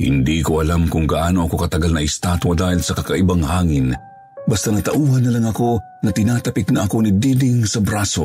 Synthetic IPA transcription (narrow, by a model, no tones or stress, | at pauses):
hɪ̰nd̪iːkoʔɐlamkʊŋɡaʔaːnoʔɐko̞kɐt̪ɐɡalnɐʔɪst̪aːt̪wɐd̪aːhilsɐkɐkɐʔibaŋhaːŋɪn | bɐst̪anɐt̪ɐʔuːhɐnːɐlaŋɐko̞ | nɐt̪ɪnaːt̪ɐpɪk̪̚nɐʔɐko̞nid̪iːdɪŋsɐbɾaːso̰